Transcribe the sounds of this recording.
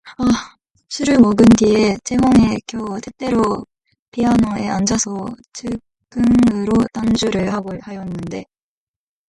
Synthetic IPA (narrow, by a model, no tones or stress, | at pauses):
a | ɕʰuɾɯɭmʌɡɯndiet͡ɕʰe̞ɦʌŋe̞kjʌtʰet͈e̞ɾo | pʰianoe̞̰ʔand͡ʑasʰʌt͡ɕʰɯ | ɡ͈ɯŋɯɾotand͡ʑuɾɯɭhaɡohajʌnːɯnde̞